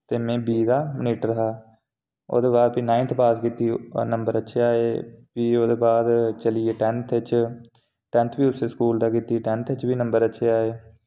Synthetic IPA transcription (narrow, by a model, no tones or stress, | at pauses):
t̪eːmɛ̃ːbiːd̪aːməniːʈɾəɦaː | o̰ːd̪eːbaːd̪̚piːnãːɪ̃nt̪ʰpaːskiːt̪iːnəmbəɾətːʃʰeːaːeːpiːoːd̪eːbaːd̪t͡ʃəlieːʈɛ̃ːnt̪ʰɪt͡ʃ | ʈɛ̃nt̪ʰʋiːʊseːskuːld̪aːkiːt̪iːʈɛ̃nt̪ʰɪt͡ʃbiːnəmbəɾətːʃʰeːaːeː